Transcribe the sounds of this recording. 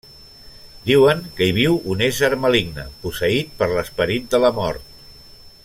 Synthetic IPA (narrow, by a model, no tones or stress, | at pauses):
d̪iwəŋkəiβ̞iwunezəɾməliɡnə̰pusəit̪̚pəɾləspəɾit̪̚d̪ələmɔ̰ɾt̪̚